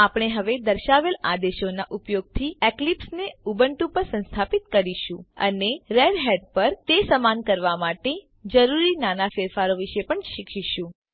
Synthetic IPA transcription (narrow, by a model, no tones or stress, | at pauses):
apɽ̃eɦəʋed̪əɾʃaʋelad̪eʃonaʔupjoɡ̚t̪ʰieklipsneubəɳʈupəɾsə̃nst̪ʰapit̪kəɾiʃũə̰neɾeɖɦeɖ̚pəɾt̪esəmankəɾʋamaʈe | d͡ʒəɾuɾinanafeɾfaɾoʋiʃepəɳʃikʰʃiʃũ